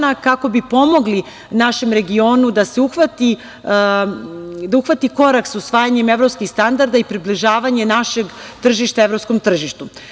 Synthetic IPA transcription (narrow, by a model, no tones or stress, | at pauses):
nakako̞bipo̞mo̞ɡli | naʃe̞mɾe̞ɡio̞nud̪aseuxʋat̪i | d̪auxʋat̪iko̞ɾaksusʋaːjaɲe̞me̞ʋɾopskixst̪and̪aɾd̪aipɾibliʒaːʋaɲe̞naʃe̞ɡt̪r̩ʒiʃt̪aevɾopsko̞mt̪r̩ʒiʃt̪u